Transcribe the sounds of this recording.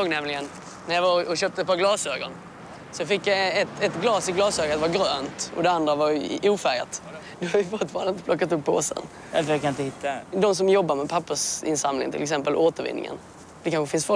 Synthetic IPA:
ɔŋnɛmlɪɡən | næjavaɔɕøːp̚t̪əɛt̪̚pʰɑɡlɑːsøːɡɔ̰n | sɔɔfɪkːjaɛt̪ɛt̪ɡlɑːsɪɡlɑːsøːɡt̪vaɡɾøːnt̪ʔɔ̰d̪ɛand̪ɾavaɾʔuːfæɾja̰t̪ | d̪ɔhaɾvɪfʊt̪ːfɑɾnɪt̪əpʰlɔkːat̪̬ɵpʰːo̰ːsə̰n | d̪fəɾjakʰanɪnt̪əhɪt̪ːad̪ɔms̬ɔmjɔbːaɾmɛpʰapːəʂɪ̰nsamlɪ̰ŋnt̪ʰɪlɛksɛmpəlʔoːt̪əɾvɪ̰nːɪ̰ŋə̰n | d̪ɛkʰanɧəfɪnsfɔ

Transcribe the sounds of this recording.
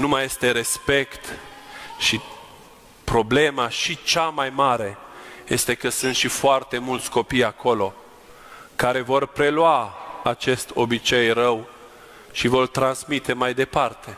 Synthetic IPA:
numaje̞st̪e̞ɾe̞spe̞kt̪ | ʃi | pɾo̞ble̞maʃit͡ʃamajmaɾe̞je̞st̪e̞kəsɨnt̪ʃifoart̪e̞mult̪sʲko̞pijakʰo̞lo̞ | kaɾe̞vo̞rpɾe̞lwaat͡ʃe̞st̪o̞bit͡ʃe̞jrəw | ʃivo̞rt̪ɾansmit̪e̞majd̪e̞part̪ʰe̞

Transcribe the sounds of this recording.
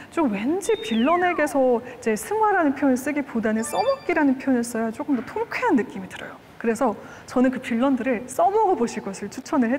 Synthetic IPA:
t͡ɕ͈okwe̞nd͡ʑipiɭːʌne̞ɡe̞sʰʌid͡ʑe̞sʰɯŋwaɾanɯnpʰjjonɯɭs͈ɯɡipudanɯs͈ʌmʌk͈iɾanɯnpʰjojones͈ʌjat͡ɕ͈ok͈ɯmdʌtʰoŋkʰeanːɯk͈imidɯɾʌjo | kɯɾe̞sʰʌ | t͡ɕʌnɯnkɯpiɭːʌndɯɾɯɭs͈ʌmʌɡʌboɕʰiɭɡʌsʰɯɭt͡ɕʰut͡ɕʰʌnɯɦe

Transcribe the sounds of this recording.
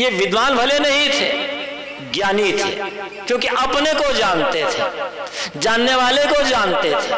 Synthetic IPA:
jeʋɪd̪ʱʋaːnbʱɐlenɐɦĩt̪ʰḛː | ɡjaːnit̪ʰḛː | kjõːkiʔɐpnekod͡ʒaːnt̪et̪ʰeːd͡ʒaːnːeʋaːlekod͡ʒaːnt̪et̪ʰee

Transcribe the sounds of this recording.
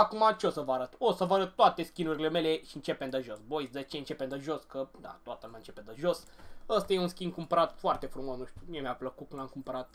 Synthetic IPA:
akumat͡ʃeo̞səvaɾət̪osəvəaɾət̪ːoat̪e̞skʲinuɾile̞me̞le̞ʃiɨnt͡ʃe̞pemd̪əʒo̞sbo̞jsʲd̪et͡ʃeɨnt͡ʃe̞pend̪əʒo̞skəd̪a̰t̪oat̪əlumʲant͡ʃe̞ped̪əʒo̞s | əst̪ajeunskʲind̪kumpəɾat̪foart̪e̞fɾumosnuʃt̪ʲumiemʲapləkut̪kunamkumpəɾat̪̚

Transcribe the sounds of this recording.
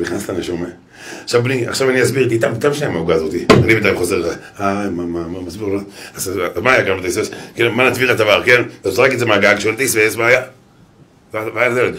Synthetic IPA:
liχnaslaneʃome | aχʃavbnia̰χʃavaniasbiʁt̪̬it̪amt̪avʃamaɡaːzot̪ianibet̪ajχozee | amamamamasbiʁloazzmaːjaɡambet̪ejsveskenmanatbiʁatavaʁkenazʁakezemaɡaɡʃelt̪ejsvesvaja | vvajandelek

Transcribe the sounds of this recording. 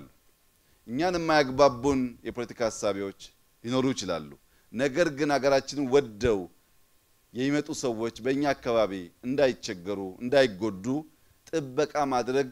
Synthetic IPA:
lːu | ʔɨɲːanɨmːajaɡbabːunjɛpʰo̞lət̪i̥kʰahasːaβewo̞t͡ʃː | lino̞ɾujɪt͡ʃɪla̰lːu | nəɡəɾɡɨnaɡəɾat͡ʃːɪnwɔd̪ːəw | jɛjimət̪ʼusəwːo̞t͡ʃːbəɨɲːaːkːaβaβiɨnd̪ajɪt͡ʃːɛɡːɨɾuɨ̰nd̪ajɪɡːo̞d̪ːu | t̪ʼɨbːəkʼamad̪ɾəɡ

